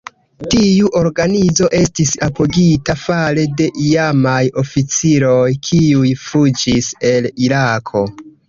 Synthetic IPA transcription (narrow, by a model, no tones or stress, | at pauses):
tiuʔo̞ɾɡanizo̞ʔe̞stisapoɡitafale̞de̞ʔijamajo̞fit͡siɾo̞jkʰiujfud͡ʒise̞liɾakʰo̞